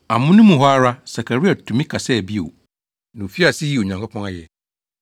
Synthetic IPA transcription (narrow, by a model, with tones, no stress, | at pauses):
a˨mʊ̃˦nʊ̃˦mũ˨ɦɔ˦a˦ɾa˦sa˨kʰa˨ɾi˦a˨tʰʊ̃˨mĩ˦kʰa˨sɛ˦˨bi˦o̰˨ | nã˨o˨fi˦a˨sɪ˦ji˦˨o˨ɲã˨ŋkʰʷo˦pʰɔ̃˦na˦jɛ˨